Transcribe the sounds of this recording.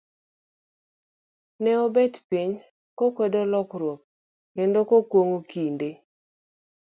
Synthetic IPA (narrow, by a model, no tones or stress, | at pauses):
nɛɔbɛtpiɲ | kokwɛdolɔkɾwok̚ | kendokokwoŋokinde